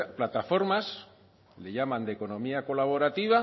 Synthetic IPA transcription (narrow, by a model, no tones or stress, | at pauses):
plat̪afo̞ɾmas | le̞ʝamãnd̪e̞ko̞nõ̞miako̞laβ̞o̞ɾat̪iβ̞a